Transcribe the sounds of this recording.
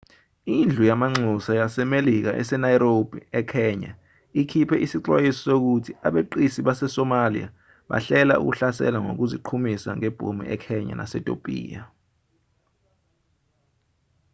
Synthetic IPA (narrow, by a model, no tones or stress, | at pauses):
ind͡ɮʱujamaŋ͡ǀʱusajasɛmelik̬a̰ʔɛ̰sɛnajɾob̥ʱiɛkʰɛɲa̰ | ikʰipʰɛʔisiǀwajisɔ̥sok̬utʰiaɓeǃisiɓasɛsɔmalḭja̰ | ɓa̰ɬɛla̰ʔṵk̬uɬasɛ̰laŋo̰k̬uziǃʰumisaŋɛb̥ʱo̰mḭʔɛkʰɛɲa̰nʔa̰sɛtʼo̰pʼḭːja